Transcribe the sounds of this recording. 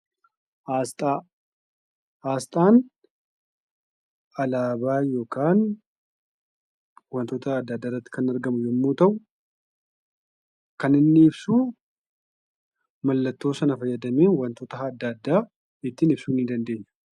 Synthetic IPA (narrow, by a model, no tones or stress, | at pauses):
ast̪ʼa | ʔaːst̪ʼaːn | ɐlaːbaːjo̞ːkaːn | wɐnt̪oːt̪ɐːd̪ːɐd̪ːaːrːɐt̪ːɪ̥kɐnɐɾɡɐmʊjɛmːuːt̪ɐʔʊ | kɐnɪnːɪːbsuː | mɐlːɐt̪ːo̞ːsɐnɐfɐjːɐd̪ɐmeːnwɐnt̪oːt̪ɐɦːd̪ːɐd̪ːaː | ɪt̪ːɪːnɪbsuːnɪd̪ɐnd̪e̞ːɲːɐ̥